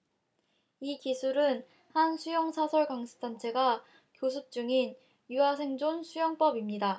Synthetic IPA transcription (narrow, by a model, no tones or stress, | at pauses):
ikisʰuɾɯn | hansʰujʌŋsʰasʰʌɭɡaŋsʰɯ̥t͈ant͡ɕʰe̞ɡa | kjosʰup̚t͡ɕ͈uŋin | juasʰe̞ŋd͡ʑonsʰujʌŋp͈ʌbimɲida